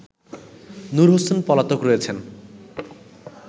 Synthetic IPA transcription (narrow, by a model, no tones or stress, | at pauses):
nuɾɦosenpɔlat̪okɾojet͡ɕʰen